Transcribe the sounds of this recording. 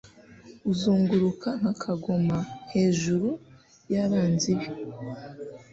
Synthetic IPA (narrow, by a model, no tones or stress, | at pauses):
uzuːŋɡuɾukʰaŋ̥hakʰaɡomahe̞ːʒuɾu | jaɾaːnziβjo